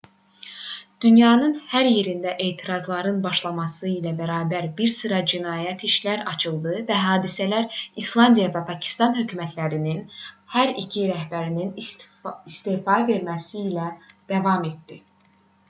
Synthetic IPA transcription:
d̪̥ynjɑːnɯnhæɾje̞ɾind̪æʔe̞ːt̪ʰiɾɑzlˠɑɾɯnbɑʃlˠɑmɑsɯilæbæɾɑːbæɾbiɾsɯɾɑd͡ʒinɑːjæt̪ʰiʃlæɾɑt͡ʃʰɯlˠd̪ɯvæɦɑːd̪isælæɾislˠɑnd̪ijɑvæpʰɑcʰi̥st̪ɑnɦø̞cʰyːmæt̪ʰlæɾininhæɾicʰiɾæhbæɾinin | ist̪eːfɑve̞ɾmæsiːlæd̪̥ævɑme̞t̪̚d̪i

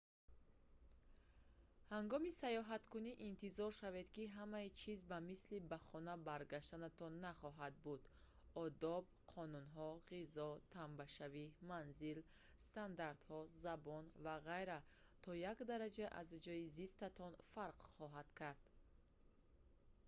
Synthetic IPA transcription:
haŋɡɔmisajɔɦat̪kuniʔint̪ʰizɔɾʃave̞d̪kiɦamait͡ʃʰizbamislibaχɔnabaɾɡaʃt̪anat̪ʰɔnːaχɔɦad̪̚bud̪̥ | ɔd̪ɔbqʰɔnunɦɔʁizɔt̪ʰambaʃavimanzil | st̪and̪aɾd̪hɔzabɔnvaʁajɾa | t̪ʰɔjakd̪aɾad͡ʒaʔa̰zd͡ʒɔizist̪at̪ʰɔnfaɾqχɔɦad̪̥kʰaɾd̪̥

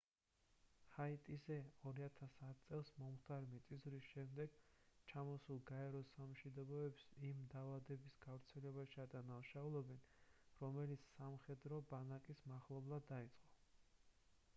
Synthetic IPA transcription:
hait̪ʼizɛɔɾiat̪ʰasat̪̚ʰt̪sʼɛlˠsmɔmχt̪ʰaɾmit̪sʼizɾisʃɛmd̪ɛɡ̥t͡ʃʰamɔsulˠɡaɛɾɔsamʃid̪ɔbɔɛpsimd̪avad̪ɛbisɡ̥avɾt̪sʰɛlɛbaʃiad̪anaʃaulˠɛbɛnɾɔmɛlit̪sʰsamχɛd̪ɾɔbanakʼismaχlˠɔblˠad̪ːait̪sʼqʼɔ

